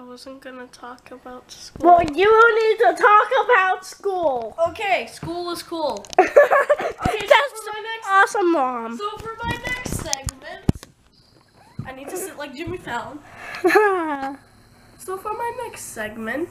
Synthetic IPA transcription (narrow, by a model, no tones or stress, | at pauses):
aɪwʌzə̃nɡ̥ʌnətʰɔkəbaʊtskwɛlˠjɨwɪlˠnid̚tətʰɔkəbaʊtskulˠokʰeɪskulˠɪz̥kʰulˠ | oeɛsaɪnɛksɔsə̃mːɑmsoʊfə˞maɪnɛkstsɛɡ̚mɨ̃nt | ʔaɪnid̚tʰɨɪʔlaɪk̚d̥ɨmitʰɛlˠə̃m | soʊfə˞maɪnɛkstsɛɡ̚mɨ̃nt